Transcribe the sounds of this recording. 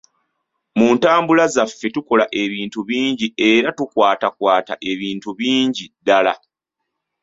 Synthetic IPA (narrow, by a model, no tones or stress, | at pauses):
muːntaːmbulazafːe̞tuko̞laʔe̞βiːntuβiːɲɟie̞ɾatukwaːtakwaːtaʔe̞βiːntuβiːɲɟidːala